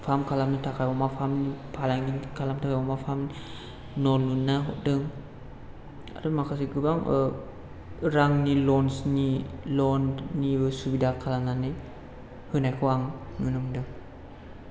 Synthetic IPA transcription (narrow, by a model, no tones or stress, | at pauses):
fʰamkʰalamnit̪ʰakajbɔmafʰamnipʰalaŋɡinkʰalamt̪ʰakajbɔmafʰam | nɔlunːaɦɔʔdɯŋ | a̰ɾɯmakʰasikɯbaŋə | ɾaŋnilɔnsnilɔnːibɯsubidakʰalanani | hɯnajkʰɯwaŋŋɯnumdɯŋ